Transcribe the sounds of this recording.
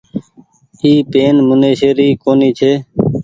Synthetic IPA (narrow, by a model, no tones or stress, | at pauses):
iːpeːnmʊneːʃeːɾiːkoːniːt͡ʃʰeː